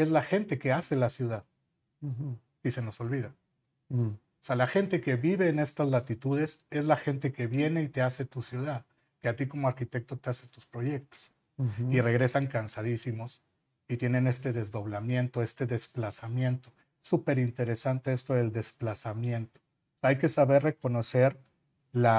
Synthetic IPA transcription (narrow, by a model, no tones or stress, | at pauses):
e̞zlaxe̞nt̪e̞ke̞ase̞lasjuðað | ise̞no̞so̞lβiða | osealaxe̞nt̪e̞ke̞βiβe̞ːne̞st̪azlat̪it̪uðe̞se̞zlaxe̞nt̪̬e̞ke̞βje̞ne̞it̪e̞ase̞t̪usjuðað | keat̪iko̞mo̞aɾkit̪e̞k̚t̪o̞t̪ease̞t̪uspɾo̞ʝe̞k̚t̪o̥s | ire̞ɣɾe̞saŋkansaðisimo̞s | it̪je̞nẽ̞ne̞st̪e̞ðe̞zðo̞β̞lamjẽ̞nt̪o̞e̞st̪e̞ðe̞splasamjẽ̞nt̪o̞ | supe̞ɾint̪e̞ɾe̞sant̪e̞est̪o̞eld̪e̞splasamje̞nt̪o̥ | ajke̞saβe̞rre̞ko̞no̞se̞ɾ | la